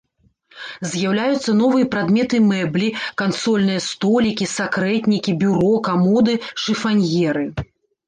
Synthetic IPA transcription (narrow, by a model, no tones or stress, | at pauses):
zʲjawlʲajut̪sːɐnɔvɨjɐpɾad̪mʲɛt̪ɨmɛblʲikansɔlʲn̪ɨjɐst̪ɔlʲikʲisakɾɛt̪ʲnʲikʲibʲuɾɔkamɔd̪ɨʂɨfanʲɣʲɛɾɨ